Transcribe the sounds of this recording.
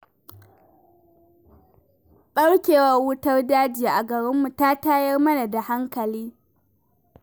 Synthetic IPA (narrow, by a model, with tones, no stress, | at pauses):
ɓɐ˦ɽkʲeː˨wɐ˦rwʊ˦tɐ˦rdaː˦d͡ʒɪ˦ja˨ʔa˨ɡɐ˨ɽɪ˦mːu˨ta˦taː˦jɐ˦rmɐ˦na˨da˨ha˦ŋkɐ˨liː˦